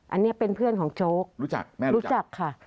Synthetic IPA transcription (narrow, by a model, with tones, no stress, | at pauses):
ʔa˧nːi˦˥ɐpe˧npʰɯ˥˩ənkʰɔː˩˦ŋt͡ɕoː˦˥k̚ɾu˦˥t͡ɕa˨˩k̚ːɾuː˦˥t͡ɕa˨˩kʰːa˥˩